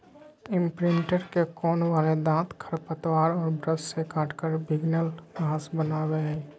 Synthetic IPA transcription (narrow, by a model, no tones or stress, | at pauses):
ɪ̃mpɾɪ̃ɳʈəɾkekɔːnwaːled̪ãːt̪kʰəɾpət̪waːɾɔːɾbɾəssekaːʈkəɾbʱɪɡnəlɡãːsbənaːweɦɛ